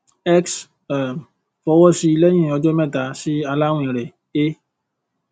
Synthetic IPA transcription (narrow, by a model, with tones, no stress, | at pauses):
ɛ˦ks | a˨m˨ | fɔ˧˦wɔ˦si˧i˧lɛ˦j̃ĩ˦˨ɔ˧d͡ʒo˦mɛ̃˦˨ta˨˦si˦a˧la˦wũ˦ĩ˨ɾɛ˨ | e˦